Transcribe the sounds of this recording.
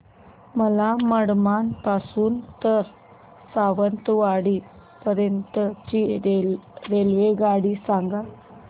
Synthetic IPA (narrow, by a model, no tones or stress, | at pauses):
məlaməɽmanpasuːnt̪əɾ | saʋənt̪uʋaɽi | pəɾjənt̪ət͡ʃi | ɾeljeɡaɽisaŋɡa